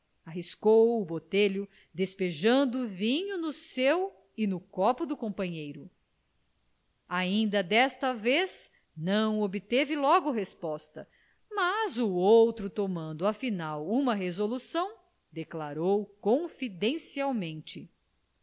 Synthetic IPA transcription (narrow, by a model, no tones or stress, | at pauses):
aɦiskowʊbot̪eʎʊ | d̪espeʒɐ̃nd̪ʊːvĩɲunʊsew | ɪnʊkɔpʊd̪ʊkõpɐ̃ɲejɾʊ | aĩnd̪ɐd̪ɛst̪ɐvez | nɐ̃w̃obɪt̪evɪlɔɡʊɦespɔst̪ɐ | mazuowt̪ɾʊt̪omɐ̃nd̪ʊafinawumɐɦezolusɐ̃w̃ | d̪eklaɾowkõfid̪ẽsiawmẽnt͡ʃɪ